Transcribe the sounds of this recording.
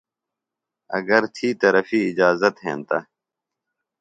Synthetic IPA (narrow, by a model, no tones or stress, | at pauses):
ɐ̰ɡɐɾt̪ʰiːt̪ɐɾəfiːɪd͡ʑaːzət̪ɦḛ̃ːnt̪ɐ̰